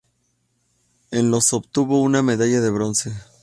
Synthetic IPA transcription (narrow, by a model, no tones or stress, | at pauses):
enlo̞so̞bt̪uβo̞uname̞ðaʝaðe̞βɾo̞nse̞